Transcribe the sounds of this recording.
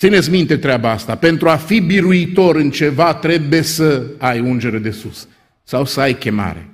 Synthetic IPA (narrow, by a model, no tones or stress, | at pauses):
t̪sinet̪sʲmint̪et̪ɾeabaast̪ape̞nt̪ɾuafibiɾuit̪o̞ɾɨnt͡ʃe̞vat̪ɾe̞buje̞səajund͡ʒe̞ɾed̪e̞susː | awsəajkʲe̞ma̰ɾḛ